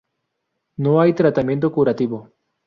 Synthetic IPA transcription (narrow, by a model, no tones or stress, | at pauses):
noajt̪ɾat̪amjẽnt̪̬okuɾat̪iβo